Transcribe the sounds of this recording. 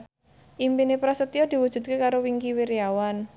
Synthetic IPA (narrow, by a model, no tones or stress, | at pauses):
ʔimpinepɾasət̪iɔd̪̥i̤wud̥ʒ̥ṳt̪̚kekaɾowiŋkiwiɾiawan